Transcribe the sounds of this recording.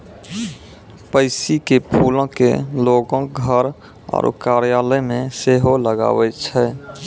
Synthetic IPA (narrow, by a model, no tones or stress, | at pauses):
pəɪsikepʰuːlõkeloːɡõɡʱəɾ | ɔ̰ːɾkaːɾjaːləmẽseːɦoləɡa̰ːwɛt͡ʃʰɛː